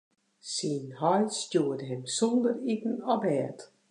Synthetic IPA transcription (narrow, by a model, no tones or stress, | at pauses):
sinhɔjstjuːədəɦɪmsɔndəritn̩ɔbɛːt